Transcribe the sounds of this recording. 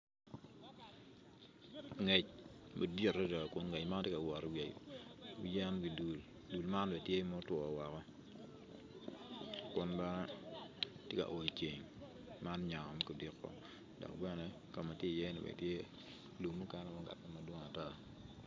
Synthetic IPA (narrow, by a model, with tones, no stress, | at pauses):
ŋɛ˨t͡ʃma˨di˦˨ɾɾɛ˦dɔ˨kʊ˦nŋɛ˨cma˦n˦tje˦ka˨wɔ˨ɾɔ˨we˨wḭ˨jɛ˦nɡi˨du˨l | du˨lma˦nbɛ˨tje˦mɔ˦twɔ˨wɔ˨kɔ˦ | kʊ˨nbɛ˦nɛ˦ | ttje˦ka̰˨ʔo˨i˨t͡ʃe˨ŋ | ma˦n˦ɲa˨ŋɔ˨mɛ˦ku˨di˨kːɔ̰˦ | dɔ̰˨k̚bɛ˦nɛ˦ | ka˨mːa˨tje˦˨jɛ˦nḭ˨bɛ̰˨tje˦ | lu˨mu˦kɛ˦nɛ˦mɔ˦ŋɡa̰˨tɛ˦ma˨dwɔ˦ŋa˨ta˦